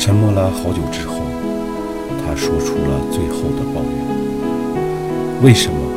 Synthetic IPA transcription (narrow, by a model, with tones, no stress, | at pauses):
t͡ɕʰə˥nmɔ˥˧la˥xɑ˧˥ʊt͡ɕjo˨˩ʊʈ͡ʂɻ̩˥xo˥˩ʊ | t̪ʰa˥ʂwɔ˥ʈ͡ʂʰu˥lə̰˨t͡swe˥˧ɪxo˥˩ʊd̪ə˩pɑ˥˧ʊjɛ̰˥˩n | we˥˩ɪʂə˧˥nməə˧